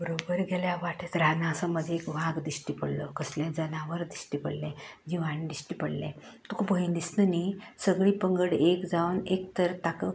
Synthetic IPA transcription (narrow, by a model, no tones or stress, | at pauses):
bəɾobəɾɡeljaʋaʈʰət̪ɾanasəməd̪ʱjeekʋaɡd̪isʈipəɽlɔkəsljãd͡zənaʋəɾd̪isʈipəɽlɛ̃d͡ʑiʋãnid̪isʈipəɽlɛ̰̃ | t̪ukʰupɡəind̪isnənisəɡɭiːpəŋɡəɽekd͡zawnekt̪əɾt̪akə